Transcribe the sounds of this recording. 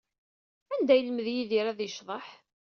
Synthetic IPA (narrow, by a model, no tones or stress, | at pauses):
ænd̪æjəlməðjiðiɾæðjəʃðˤɑħ